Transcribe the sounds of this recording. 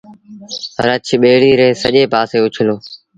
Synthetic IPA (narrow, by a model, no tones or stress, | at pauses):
ɾət͡ʃʰɓeːɽiːɾeːsəʄeːpaːseːʊt͡ʃʰɪloː